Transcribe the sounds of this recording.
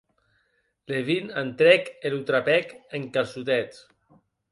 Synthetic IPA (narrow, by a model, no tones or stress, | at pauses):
leβinant̪ɾɛkelut̪ɾapɛkeŋkasut̪ɛt͡s